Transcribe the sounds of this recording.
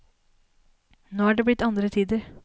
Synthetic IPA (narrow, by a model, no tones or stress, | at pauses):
noːæːɖeːblɪt̪ːɑnd̪ɾət̪ʰiːd̪əɾ